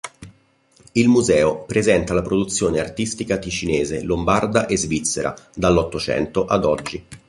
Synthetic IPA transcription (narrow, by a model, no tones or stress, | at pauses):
ilmuzɛːopɾezɛnt̪alapɾod̪ut̪sːjoːneart̪ist̪ikakit͡ʃineːzelombard̪aʔezvit̪sːeɾʔa̰d̪alːɔt̪ːot͡ʃɛ̰nt̪oʔad̪ɔd͡ʒːi